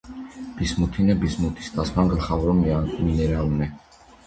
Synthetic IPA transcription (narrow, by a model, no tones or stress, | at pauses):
b̥ismut̪ʰinɛbismut̪ʰi̥st̪ʰasmaŋɡəlχavɾɔmminɛɾalnɛ